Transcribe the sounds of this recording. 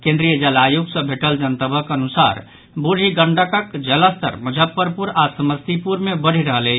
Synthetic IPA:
kẽnd̪ɾijəd͡ʒəlajuɡsə̃bʱeʈəld͡ʒənt̪əbəkənusa̰ɾ | buɽ̤ʱiɡəɳɖəkəkd͡ʒələst̪ʰə̰ɾməd͡ʒʱəpːəɾpuɾasəməst̪ipuɾmebəɽ̤iɾəɦələ

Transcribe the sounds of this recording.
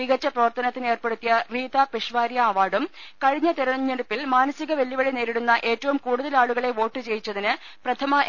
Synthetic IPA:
iɣɐt͡ɕːɐprɐʋɐrt̪ɐnɐt̪ːinɨe̞ːrpeɽut̪ːijɐriːt̪ɐpeʂʋaːɾjɐːʋaːɽumkɐɻiɲːɐt̪eɾɐɳɐɲːeɽupːilmaːnɐsiɣɐʋeljɐʋɐɭineːɾiɽunːɐʔe̞ːtːɐʋumkuːɽuðɐlaːɭuɣɐɭe̞ʋo̞ːʈːɨt͡ɕe̞jit͡ɕːɐðinɨ | prɐt̪ʰɐmɐ

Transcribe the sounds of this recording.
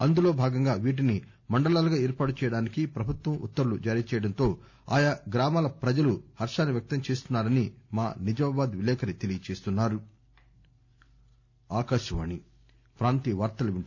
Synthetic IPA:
ɐnd̪ulo̞ːbʱaːɡɐŋɡaːʋiːʈ̬ini | mɐɳɖɐlaːlɐɡaːɛːɾpaːʈut͡ʃɛjɐɽaːnikipɾɐbʱut̪ʋɐmʔṵt̪ːɐɾulud͡ʒaːɾiːɐt͡ʃɛːjɐɽɐnt̪o̞ː | a̰ːjɐɡɾaːmaːlɐpɾɐd͡ʒɐluhɐɾʂaːnːiʋjɐk̚t̪ɐmt͡ʃeːst̪unːaːɾɐnimaːnid͡ʒɐmaːbaːd̪ʋilɛːkɐɾit̪elijɐt͡ʃeːst̪unːaːɾu | aːkɐɾʂɐʋa̰ːni | pɾaːnt̪iʋaːɾt̪ɐlɐʋiɳ

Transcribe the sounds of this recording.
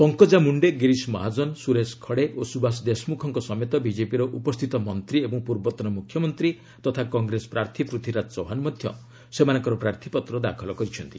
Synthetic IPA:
pɔŋkɔd͡ʒamuɳɖeɡiɾismɔɦad͡ʒɔnsuɾeskʰɔɽeosubasd̪esmukʰɔŋkɔsɔmet̪ɔbid͡ʒepiɾɔʔupɔst̪ʰit̪ɔmɔnt̪ɾiebɔŋpuɾbɔt̪ɔnɔmukʰjɔmɔnt̪ɾi | t̪ɔt̪ʰakɔŋɡɾesɔ̥pɾaɾt̪ʰipɾut̪ʰiɾasɔɦanmɔd̪ʱjɔ̰ | semanɔŋkɔɾɔpɾaɾt̪ʰi̥pɔt̪ɾɔd̪a̰kʰɔlɔkɔɾit͡ʃʰɔnt̪i

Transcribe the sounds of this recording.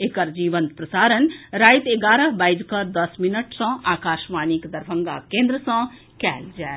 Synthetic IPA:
ekəɾd͡ʒiːʋənt̪̚pɾɐsaːɾənɾaːjt̪eɡaːɾəɦbaːid͡ʒkɐɾd̪ɐsminəʈsɔ̃aːkaːʃmaːnikd̪ɐɾbʱə̃ŋɡa̰kẽːnd̪ɾəsɔ̃ | kɛ̰ːld͡ʒɛː

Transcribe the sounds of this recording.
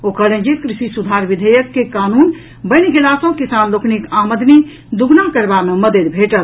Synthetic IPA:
okəlẽnd͡ʒikɾisisud̪ʱaɾʋid̪ʱəjəkːekanun | bəɪnɡelasə̃ɦkisanloknikaməd̪ni | d̪uɡnakəɾbameməd̪ed̪bʱeʈəl

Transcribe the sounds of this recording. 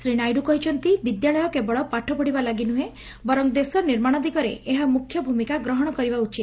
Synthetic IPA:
sɾinajɖukɔɦit͡ʃʰɔnt̪ibid̪jaɭɔjɔkebɔɭɔpaʈʰɔpɔɽibalaɡinuɦe | bɔɾɔŋd̪esɔniɾmaɽ̃ɔd̪ikɔɾḛʔːɦamukʰːjɔbʱumikaɡɾɔɦɔɽ̃ɔkɔɾibaut͡ʃit̪

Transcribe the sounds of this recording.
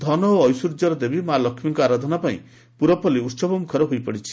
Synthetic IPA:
d̪ʱɔnɔoːjsuɾd͡ʒɔɾɔd̪ebimalɔkʰmiŋkɔaɾad̪ʱɔnapaḭ̃ | puɾɔpɔliutsɔbɔmukʰɔɾɔɦojpɔɽit͡ʃʰi̥

